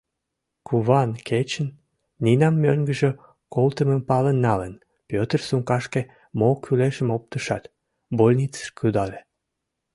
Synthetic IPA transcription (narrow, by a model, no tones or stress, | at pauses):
kʰuβɑnkʰet͡ɕən | ninɑmːøŋɡəʒø | kolt̪əməmpɑlənːɑlən | pøt̪ərsuŋkɑʃke | mokʰyleʃəmop̚t̪əʃɑt̪ | bolʲnit͡sə̥ʃkyd̪ɑle